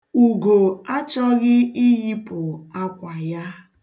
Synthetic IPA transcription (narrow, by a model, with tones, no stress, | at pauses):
u˨ɡo˨a˦t͡ʃɔ˦ɣɪ˦i˦ɦi˦pʊ˨a˦kʷa˨ja˦